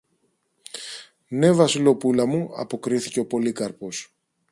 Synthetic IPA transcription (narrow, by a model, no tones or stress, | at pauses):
ne̞vɐsilo̞pulɐmuɐ̰po̞kɾiθiceo̞po̞likɐɾpo̞s